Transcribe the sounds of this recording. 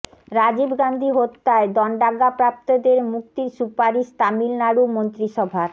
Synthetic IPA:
ɾad͡ʑibɡand̪ʱiɦot̪ːaed̪ɔɳɖaɡapɾap̚t̪od̪eɾmuk̚t̪iɾsupaɾiʃt̪amilnaɽumont̪ɾiʃɔbʱaɾ

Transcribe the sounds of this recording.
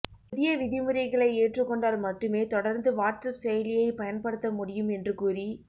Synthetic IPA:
pɪðɪjɐʋɪðɪmɯɾɐɪɣɐɭɐɪeːʈrɯkːɔɳɖaːlmɐʈːɯmeːt̪ɔɽɐɾnd̪ɯʋaːʈsɐpsɛjɐlɪjɐɪpɐjɐnpɐɽɯt̪ːɐmʊɽɪjɯmɛndrɯkuːri

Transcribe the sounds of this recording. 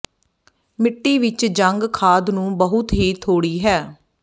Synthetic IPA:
mɪʈːiːʋɪt͡ʃd͡ʒəŋɡkʰaːd̪nũːbəɦʊt̪ɦiːt̪ʰoːɽiːɦɛː

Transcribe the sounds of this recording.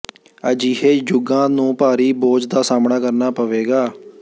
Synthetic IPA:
əd͡ʒiːɦeːd͡ʒʊɡãːnũːpaːɾiːboːd͡ʒd̪aːsaːmɳaːkəɾnaːpəʋeːɡaː

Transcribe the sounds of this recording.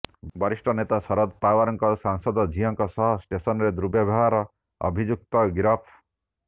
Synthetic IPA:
bɔɾisʈʰɔnet̪asɔɾɔd̪pawaɾɔŋkɔsaŋsɔd̪ɔd͡ʒʱiɦɔŋkɔsɔɦɔsʈesɔnɔɾed̪ɾubjɔbʱɔɦaɾɔ | ɔ̰bʱid͡ʒuk̚t̪ɔɡɾɔpʰ

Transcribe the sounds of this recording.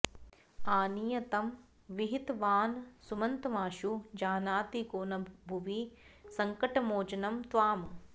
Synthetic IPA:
aːnijɐt̪ɐm | ʋiɦit̪ʋaːnsumɐnt̪ɐmaːʃud͡ʒaːnaːt̪ikoːnɐbʱuʋisɐŋkɐʈɐmoːd͡ʒɐnɐmt̪ʋaːm

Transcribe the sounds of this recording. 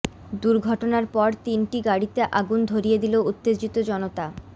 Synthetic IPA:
d̪uɾɡʱɔʈonaɾpɔɾt̪inʈiɡaɽit̪eʔaɡund̪ʱoɾijed̪ilout̪ːed͡ʑit̪od͡ʑɔnot̪a

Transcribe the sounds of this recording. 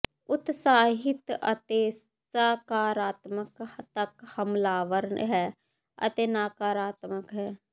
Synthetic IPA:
ʊt̪saːɦɪt̪ɐ̰t̪eː | saːkaːɾaːt̪məkt̪əkhɐmlaːʋəɾnɦɛː | ɐ̰t̪eːnaːkaːɾaːt̪məkɦɛː

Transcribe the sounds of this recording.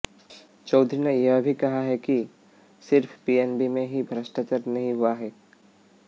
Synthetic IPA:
t͡ʃɐʊd̪ʱɾinejɐɦbʱikɐɦaɦɛki | sɪɾfpiːɛnbimẽɦibʱɾəʃʈat͡ʃəɾnɐɦĩɦʊaɦɛː

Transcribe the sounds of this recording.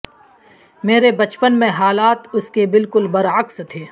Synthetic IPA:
meːɾebɐt͡ʃpənmẽɦaːlaːt̪ʊskebɪlkʊlbɐɾəkst̪ʰeː

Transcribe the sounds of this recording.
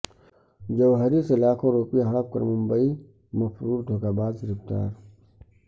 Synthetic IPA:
d͡ʒɐʋɦəɾisɪlaːkõɾoːpijaɦɐɽəp̚kɐ̰ɾmʊ̃mbəi | mɐfɾuːɾd̪ʱoːkaːbaːzɾɪft̪a̰ːɾ

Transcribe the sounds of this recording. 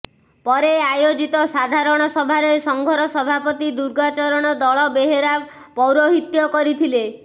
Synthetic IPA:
pɔɾeajod͡ʒit̪ɔsad̪ʱaɾɔɽ̃ɔsɔbʱaɾesɔŋɡʱɔɾɔsɔbʱapɔt̪id̪uɾɡat͡ʃɔɾɔɽ̃ɔd̪ɔɭɔbeɦeɾa | pɔwɾoɦit̪jɔkɔɾit̪ʰile

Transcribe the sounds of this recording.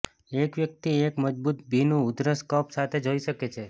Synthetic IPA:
ekʋjək̚t̪iekməd͡ʒbut̪̚bʱinũʊd̪ɾəskɔpsat̪ʰed͡ʒoiʃəket͡ʃʰe

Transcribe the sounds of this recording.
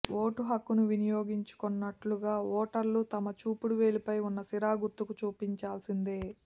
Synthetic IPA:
ʔo̞ːʈuɦɐkːunuʋinijoːɡiɲt͡ʃu̥kɔnːɐʈluɡaːɔːʈɐɾlut̪ɐmɐt͡ʃuːpuɽuʋe̞ːlipɐjunːɐsiɾaːɡuɾt̪ːukut͡ʃuːpiɲt͡ʃaːlsind̪e̞ː

